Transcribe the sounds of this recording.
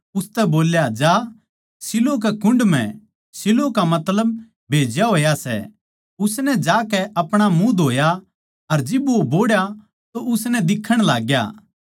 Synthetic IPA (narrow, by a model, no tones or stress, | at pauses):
ʊst̪ɛboːljad͡ʒaː | sɪlok̬ɛkʊ̃ɳɖm̤ɛ̰̃ | sɪlokamɐt̪ləb̚ | bʱeːd͡ʒjaɦoːjasɛ̰ | ʊsnɛd͡ʒaːkɛʔɐpɽ̃amũd̪ʱoːja | ɐɾd͡ʒɪboboːɽja | t̪oʔʊsnɛd̪ɪkʰːəɽ̃laːɡja̰ː